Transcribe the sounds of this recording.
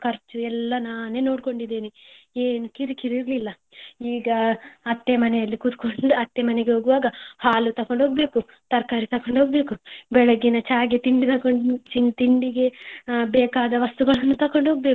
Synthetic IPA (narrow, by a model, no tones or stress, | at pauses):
kʰɐɾt͡ʃuɛlːɐnaːne̞ːno̞ːɽko̞ɳɖid̪ːeːni | eːnukiɾikiɾiɾlilːɐ | iːɡɐɐt̪ːemɐnɛjɐlːikud̪koɳɖuɐt̪ːemɐnɛɡeɦoːɡuʋaːɡɐhaːlut̪ɐko̞ɳɖɦoːɡɐbe̞ːku | t̪ɐɾkaːɾit̪ɐkoɳɖɦo̞ːɡɐbe̞ːkubɛɭɐɡinɐt͡ʃaːɡet̪iɳɖit̪ɐkoɳt͡ʃiŋt̪iɳɖiɡe̞bɛːkaːd̪ɐʋɐst̪uɡɐɭɐnːut̪ɐko̞ɳɖɦoːɡɐbeku̥